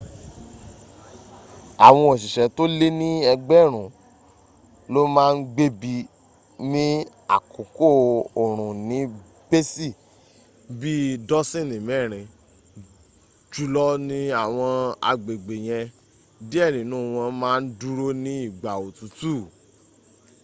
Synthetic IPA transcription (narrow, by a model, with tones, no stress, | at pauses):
a˨w̃ɔ̃˧o˨ʃ̬i˨ʃɛ˨to˦le˦nĩ˦ɛ˧ɡ͡bɛ˦˨ɾ̃ũ˨ | lo˦mãː˦˧n̩˦ɡ͡be˦bi˧ | mĩ˦ | a̰˨ko˨ko˦˨o˨ɾ̃ũ˨nĩ˨˦ | b̥e˦si˦˨ | bi˦dɔ˦sĩ˦˨nĩ˨mɛ˦˨ɾ̃ĩ˧ | d͡ʒu˦lɔ˦nĩ˦a˨w̃ɔ̃˧a̰˧ɡ͡be˨ɡ͡be˨j̃ɛ̃˧ | di˦ɛ˦˨nĩ˨nũː˦˨w̃ɔ̃˧mãː˦˧n̩˦du˦ɾo˦nĩ˦i˦˨ɡ͡ba˨o˨tũ˨˦tuː˦˨